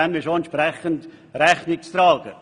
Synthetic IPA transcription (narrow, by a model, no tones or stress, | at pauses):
ɛmɪʃoɛnt͡ʃpɾɛχənt̪ | ɾɛχnɪk̚t͡st̪ɾɑːɡ̥ə